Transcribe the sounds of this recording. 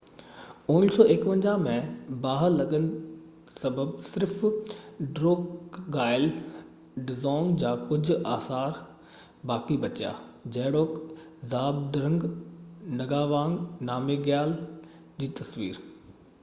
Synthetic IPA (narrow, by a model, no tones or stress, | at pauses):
ʊːnsɔːekʋə̃ɲd͡ʑamẽbaːɦəɾlɐɠənɪ̆ | sɐbəbsɪɾf | ɖɾoːkɡaːɪl | ɖɪzɔ̃ːŋɡd͡ʑaːkʊd͡ʑʱʊ̆aːsaːɾ | baːkibɐt͡ɕja̰ːd͡ʑɐɦɪɽoːk | zaːb̚d̪ɾə̃ŋɡ | nɐɡaːʋãːŋɡnaːmeɡjaːl | d͡ʑiːt̪ɐsʋḭːɾ